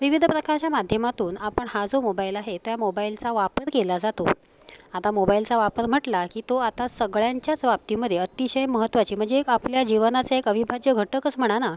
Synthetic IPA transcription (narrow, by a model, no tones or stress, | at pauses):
ʋiʋid̪ʱəpɾəkaɾt͡ɕamad̪ʱjəmat̪uːnapəɳhad͡zomobailaɦet̪ojamobailt͡saʋapəɾkelad͡zat̪o̰ | at̪amobailt͡saʋapəɾm̤əʈlakiːt̪oat̪asəɡɭjaɲt͡ɕjat͡sʋap̚t̪iməd̪ʱːjeət̪iɕəjməɦət̪ːʋat͡ɕiːm̤əɳd͡zeːkapljad͡ʑiʋənat͡saekəʋibʱad͡ʑjəɡʱəʈːəkəsm̤əɽ̃ana